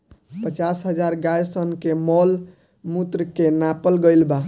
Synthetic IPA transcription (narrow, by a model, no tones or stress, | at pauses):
pət͡ʃasɦəd͡ʒaɾɡajsənkemɔl | mut̪ɾəkenapəlɡəjlba